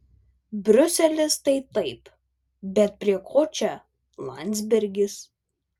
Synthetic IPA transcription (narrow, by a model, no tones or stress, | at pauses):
bʲɾʲʊsʲɛlʲɪst̪ɐɪt̪ɐɪp | bʲɛt̪̚pʲɾʲiɛkʰoːt͡ʃʲɛ | lˠɐ̰nʲd̪ʲzʲbʲɛɾʲɡʲɪs